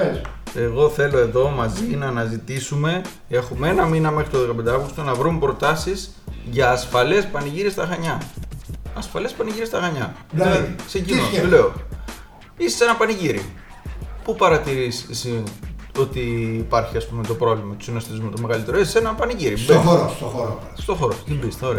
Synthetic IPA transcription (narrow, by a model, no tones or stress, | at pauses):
eɣo̞θe̞lo̞e̞ðo̞mɐzinɐːnɐzit̪isume̞ | e̞xumeenɐminɐme̞xɾit̪oðekɐpend̪ɐɐvɣust̪onɐvɾumepɾo̞t̪ɐsiz | ʝɐːsfɐle̞spɐniʝiɾiest̪ɐxɐɲɐː | sfɐle̞spɐniʝiɾiest̪ɐxɐɲɐɐðiksecinole̞o | ise̥senɐpɐniʝiɾḭ | pupɐɾɐt̪iɾisisio̞t̪iːpɐɾçiɐspume̞t̪o̞pɾo̞vlimɐt̪u̥sinɐst̪izmut̪o̞me̞ɣɐlit̪e̞ɾoisesenɐpɐniʝiɾibeoɾooo | st̪o̞xoɾot̪imbist̪eoɾeɐ